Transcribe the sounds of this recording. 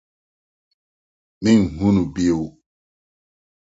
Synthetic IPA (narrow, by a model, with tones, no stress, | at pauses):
mĩ˦ŋ˨hũ˦nu˨bi˦o˨w